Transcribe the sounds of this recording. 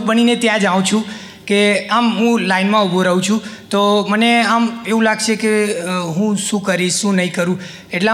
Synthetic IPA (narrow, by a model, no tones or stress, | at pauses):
kbəninet̪jãd͡ʒaʋũt͡ʃʰũ | keamɦũlainmãubʱoɾaũt͡ʃʰũt̪oməneameʋũlaɡt͡ʃʰekeɦũʃũkəɾiʃːũnəɦĩkəɾũ | eʈla